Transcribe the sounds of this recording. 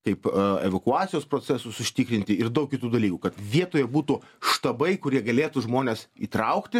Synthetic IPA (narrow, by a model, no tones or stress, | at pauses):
kɐɪpɛʋɐkʊɑːt͡ssʲɪjoːspɾoːt͡s̪ʲɛsʊsʊʃʲt̪ʲiːkɾʲɪnʲt̪ʲɪɪrd̪ɐʊkʲɪt̪uːd̪ɐlʲiːkʊkɐt̪ʋʲiɛt̪oːjɛbuːt̪uʃt̪ɐbɐɪkʊɾʲiɛɡɐlʲeːt̪uʒmoːnʲeːsiːt̪ɾɐʊkt̪ʲɪ